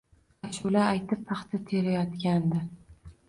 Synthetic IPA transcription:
aʃʊlaajt̪ɪpːʰɑχt̪ʰɪt̪ʰe̞ɾajɒt̪kʲand̪ɪ

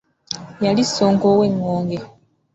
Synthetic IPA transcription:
jalisːoːŋkoweŋːoːŋɡe

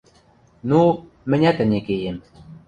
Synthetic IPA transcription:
nu | mɘ̆nʲæt̪ɘ̆nʲekejem

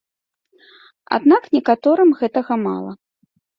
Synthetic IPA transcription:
a̰d̪naknʲɛkat̪ɔɾɨmɣɛt̪ɐɣɐma̰lˠɐ

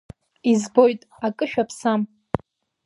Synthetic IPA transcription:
izbojtʼ | akʼɨʃᶣapʰsam

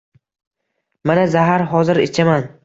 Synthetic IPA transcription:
manazaɦaɾɦɒzɪɾet͡ʃʰaman

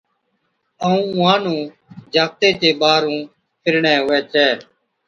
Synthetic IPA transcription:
əũːʋãːnũː | d͡ʒaːk̚t̪eːt̪eːɓaːɾũː | pʰɪɾɳɛːɦʊːɛːt͡ʃɛː

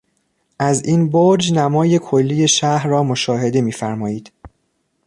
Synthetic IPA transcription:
ʔæzinboɾd͡ʒnæmɒːje̞kʰolːiːje̞ʃæhɾːɒːmo̞ʃɒːɦe̞d̪e̞miːfæɾmɒːjiːd̪̥

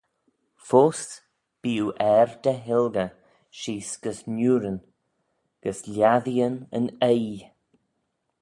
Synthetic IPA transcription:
foːs | b̥iːuʔɛɾd̪əɦɪlɡə | ʃiːsɡ̥əsnuːɾən | ɡ̥əslʲjaðiənə̰nej

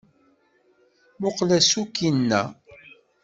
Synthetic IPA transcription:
mʊqlæsukːinːæ̰

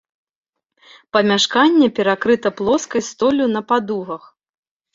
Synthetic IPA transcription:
pɐmʲaʂkanʲːɛpʲɛɾakɾɨt̪ɐplˠɔskɐjst̪ɔlʲunɐpad̪uɣɐx

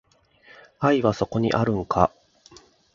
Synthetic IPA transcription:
aiβaso̞ko̞ɲ̟ḭʔaɾɯ̟̃ŋkʰa̰

